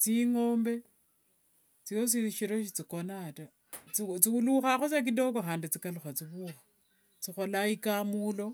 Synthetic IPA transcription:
t͡siŋoːmbe̞ | t͡sijos̬iiʃiɾo̞ʃit͡sikonata | t͡sit͡siuluxaxosak̬ido̞kaxaːndit͡sikaluxat͡siβuːxḁ | t͡sixolaikamulo̞

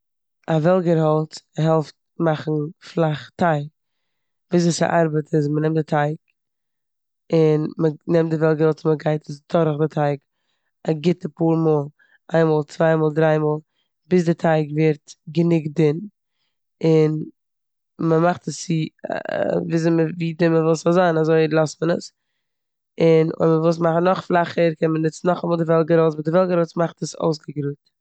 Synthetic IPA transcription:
avɛlˠɡəɾhɔlˠtɦɛlˠft̚ | maχn̩flˠaχtaɪk̚ | viːs̬ɪsa̰ʔaɾbətʰɪsmənɛmtdɪtʰaɪk̚ | ɪnmənɛmt̚dɪvɛlˠɡəɾɔlˠtɪməɡaɪtʰəsdɔɾəχdɪtʰaɪk | aɡɪtəpuːɾmɔːlˠ | ʔaɪnmɔːlˠt͡svaɪmɔːlˠdɾaɪmɔːlˠ | bɪs̬dɪtʰaɪkvɪɾtɡənɪk̚dɪn | ɪn | məmaχtəsːɪ | vɪs̬nməviːdɪməvɔːlˠsɔzaɪnazoɪlˠɔstmənəs | ɪnʊ̰ɪməvɔlˠs̬maχn̩ɔχflˠaχəɾkʰɛnmənɪt͡sn̩ɔχamɔːlˠdɪvɛlˠɡəɾoʊsbɪdɪvɛlˠɡəɾoʊt͡smaχtəso̰ʊs̬ɡəɡɾuːt

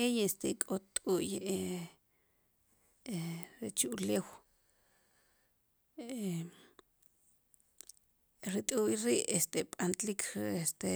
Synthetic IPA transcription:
ejest̪ekʼot̪ʼuje | eɾet͡ʃuʔleːw | e | ɾit̪ʼujɾiːʔest̪eɓʼant̪likʰest̪e

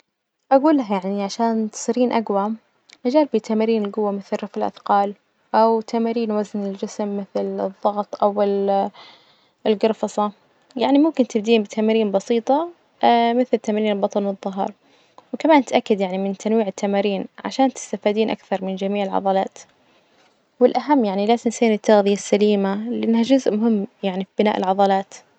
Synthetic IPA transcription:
ʔaɡuːlaɦajaʕniʕaʃaːnt̪sˤiɾiːnʔaɡwa | ʔad͡ʒaːɾbit̪ʰamaːɾiːnɪlɡʊwːamɪθrɾɑfɪlʔa̰θqɑːl | ʔawt̪ʰamaːɾiːnwaznɪld͡ʒɪsmːɪθlɨðˤːɑɣt̪ˤʔawɪl | lɡɑɾfɑsˤɑ | jaʕnimʊmkɪnt̪ɪbd̪iːnbɪt̪ʰamaːɾiːnbɑsiːt̪ˤɑ | mɪθlt̪amaːɾiːbɑt̪ˤɑlwɨðˤːʊɦɑ̰ɾˤ | wɪkamaːnt̪ʔakːad̪jaʕnimɪnt̪ʰanwiːʕɪt̪ʰːamaːɾiːnʕa̰ʃaːnt̪ɪ̥st̪afiːd̪iːnʔa̰kθɑɾˤmɪnd͡ʒamiːʕɪlʕɑ̰ðˤɑlɑ̰ːt̪ | wɪlʔaɦamːjaʕnilaːzɪnsjːnɪt̪ːaɣðɪjasːaliːmalɪʔanːhad͡ʒʊzʔmʊɦɪmːjaʕnifibɪna̰ːʔɪlʕɑðˤɑlɑːt̪

